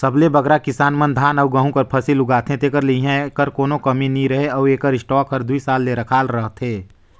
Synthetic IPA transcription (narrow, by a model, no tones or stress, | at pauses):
səblebɐɡɾakɪsaːnmənd̪ʱaːnɔːɡəɦũkəɾpʰɐsilʊɡaːt̪ʰɦẽt̪eːkəɾliɦɛ̃ekəɾkoːnõkɐminĩɾɐɦeɔːeːkəɾɪsʈɔːkɦɐɾd̪uisaːlːeɾɐkʰaːlɾəɦt̪ʰɦeː